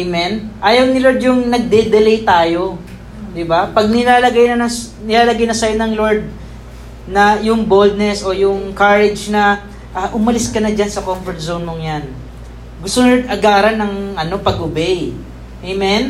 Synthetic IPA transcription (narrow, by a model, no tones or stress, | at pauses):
ʔemɛnʔaːjɐwnɪloɹd̪jʊŋnɐɡ̚d̪ɛd̪ɛlɛjt̪aːjo̞ | d̪ɪbapɐɡ̚nɪlaːlɐɡajnɐnɐnɪlaːlɐɡajnɐsɐjonɐŋloɹd̪̚ | nɐjʊŋbold̪̚nɛso̞jʊŋkaɹɛd͡ʒnɐ | ʔɐʔʊmɐlɪskɐnɐd͡ʒansɐkomfɛɹt̪̚zownmoŋjan | ɡʊst̪onɐɡaːɾɐnːɐŋʔɐno̞pɐɡʔʊbɛj | ʔejmɛn